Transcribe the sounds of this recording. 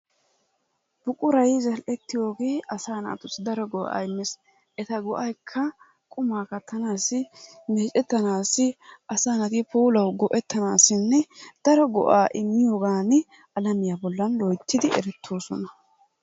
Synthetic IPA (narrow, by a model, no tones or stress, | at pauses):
b̥ʊkʼʊɾɐjzɐlʔɛt̪ːɪjo̞ːɡeːʔɐsaːnɐ̰ːt̪ʊsɪd̪ɐɾɔɡɔʔa̰ːɪmːɪs | ʔɛt̪ɐɡɔʔɐjkʰːɐ | kʼʊmaːkɐt̪ʰːɐnaːsɪmeːt͡ʃʼɛt̪ːɐnaːsɪʔɐsaːnɐt̪ɪpuːlɐwɡɔʔɛt̪ːɐnaːsɪnːɛd̪̥ɐɾɔɡɔ̰ʔaːʔɪmːɪjoːɡaːnɪ | ɐlɐmɪjaːbɔlːɐnlɔjt̪ʰːɪd̪ɪɛ̰ɾɛt̪ʰːoːsɔnɐ